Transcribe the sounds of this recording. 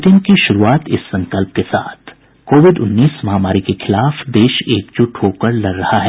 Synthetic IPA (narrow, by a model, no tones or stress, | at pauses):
ʈɪ̃ŋɡkiʃʊɾuaːt̪ɪ̰sːɐ̃ŋkəlp̚kesa̰ːt̪ʰ | koːʋɪɖʊnːiːsmɐɦamaːɾikexɪlaːfd̪eːʃeːk̚d͡ʒʊʈhoːkəɾlɐɾːɐhaɦɛː